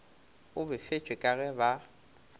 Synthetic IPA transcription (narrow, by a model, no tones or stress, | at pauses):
ʊbɪfet͡ʃʼwekʼaɣɛba